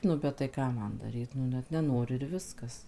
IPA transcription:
nʊ bʲɛt tɐɪ ˈkɑː ˈmɐn dɐˈrʲiːt nʊ ˈnʲɛt nʲɛˈnoːrʲɪ ɪr ˈʋʲɪskɐs

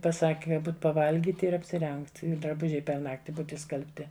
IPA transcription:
pɐˈsɑːkʲɪ kɐ ˈbuːt pɐˈʋɐlʲɡʲiːt ɪr ɐpʲsʲɪˈrʲɛŋkt ɪ drɐˈbʊʒʲɛɪ pʲɛr ˈnɑːktʲɪ ˈbuːt ɪʃskɐlʲpʲˈtʲɪ

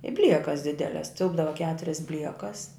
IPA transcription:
ɪ ˈbʲlʲiɛkɐs ˈdʲɪdʲɛlʲɛs ˈtʲɪlˠbdɐʋɐ ˈkʲæːtʊrʲɛs ˈbʲlʲiɛkɐs

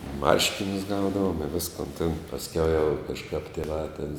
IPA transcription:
ˈmɐrʲʃʲkʲɪnʲʊs ˈɡɐʊdɐʋoːm ɪ ˈʋʲɪskoːn tʲeːn pɐsʲˈkʲɛʊ jɛʊ kɐʃˈkɐp tʲeːˈʋɑː tʲeːn

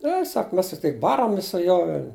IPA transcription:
ˈnʲɛ ˈsɐk ˈmʲɛs tʲɪkˈtɐɪ ˈbɑːrɐmʲɪs sʊ ˈjuɔ ˈʋʲɛlʲ

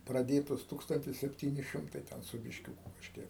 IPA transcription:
prɐˈdʲeːtoːs ˈtuːkstɐnʲtʲɪs sʲɛpʲˈtʲiːnʲɪ ˈʃʲɪmtɐɪ ˈtʲɛn sʊ bʲɪʃʲˈkʲuːkʊ kɐʃʲˈkʲiɛk

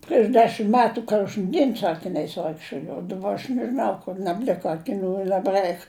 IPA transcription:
pʲrʲiɛʃ ˈdʲæːʃʲɪm ˈmʲæːtʊ ˈkoːʒn ˈdʲiɛn sʊ ɐkʲɪˈnʲɛɪs ˈʋɐɪkʃʲt͡ʃʲoːjɛʊ jɛʊ ˈdɑːˌbɐ ɐʃ nʲɛʒʲɪˈnɐʊ kʊr nɐbʲˈlʲɪkɐ ɐkʲɪˈnʲuː ɪ nɐbˈrɐɪk

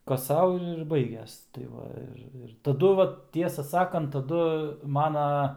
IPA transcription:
ˈkɐs ˈsɐʊ ɪr ɪr ˈbɐɪɡʲɛs tɐɪ ˈʋɐ ɪr ˈɪr tɐˈdʊ ˈʋɐt ˈtʲiɛsɑː ˈsɑːkɐnt tɐˈdʊ ˈmɑːnɐ

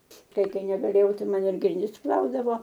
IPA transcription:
ˈtɐɪ ˈkɐɪ nʲɛɡɐˈlʲeːjɛʊ ˈtɐɪ ˈmɐn ɪr ɡrʲɪnʲˈdʲɪs ˈplˠɐʊdɐʋoː

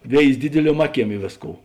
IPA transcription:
ˈʋʲeːɪzʲɪ ˈdʲɪdʲɪlʲuɔm ˈɑːˌkʲiɛm ˈɪ ʋʲeːsˌkoːʊ

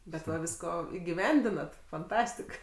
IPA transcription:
bʲɛt ˈʋɐ ˈʋʲɪskoː ɪɡʲɪˈʋʲɛnʲdʲɪnɐt fɐnˈtɑːsʲtʲɪk

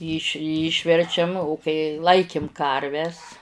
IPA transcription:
iːʃ ˈiːʃʲʋʲɛrʲt͡ʃʲɛm oː kɐɪ ˈlˠɐɪkʲɪm ˈkɐrʲʋʲɛs

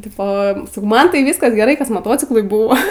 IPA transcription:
ˈtʲɪpoː sɐˈkɐʊ ˈmɐn tɐɪ ˈʋʲiːskɐs ɡʲɛˈrɐɪ kɐs moːˈtoːt͡sʲɪklˠʊɪ ˈbuːʋoː

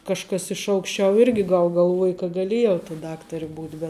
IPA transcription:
kɐʃˈkɐs ɪʃ ɐʊkʃʲˈt͡ʃʲɛʊ ˈɪrʲɡʲɪ ɡɐlˠ ɡɐlˠˈʋuɔjɛ kɐ ɡɐˈlʲeːjɛʊ tɐ ˈdɑːktɐrʲɪ ˈbuːtʲ bʲɛt

